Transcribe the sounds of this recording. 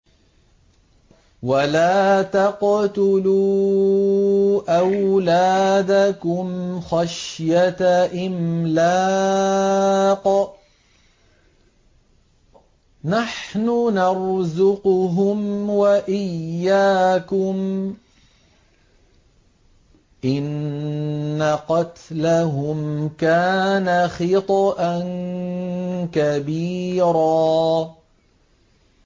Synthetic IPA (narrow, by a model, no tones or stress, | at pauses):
walaːt̪aqt̪ʊluː | ʔawlaːd̪akʊmxaʃjat̪aʔɪmla | q | naħnʊnɑɾzʊqʊɦʊmwaʔɪjjːaːkʊm | ʔɪnː | aqɑt̪laɦʊmkaːnaxɪt̪ˤɑʔan | kabiːɾaː